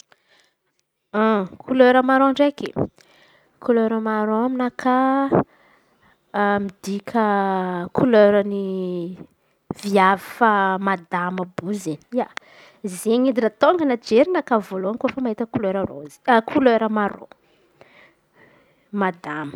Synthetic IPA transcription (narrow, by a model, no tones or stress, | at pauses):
akʰuløɾəmaɾoɳɖ͡ʐeki | kuløɾəmaɾoaminakʰa | mid̪ikʲʰəkuløɾəni | viavifamad̪aməbuzenia | zeɲid̪inət̪oŋɡənad͡ʒeɾinəkavoloankofəmaɦit̪əkuløɾəro̰zkʰuløɾəmaɾo̰ | mad̪amə̥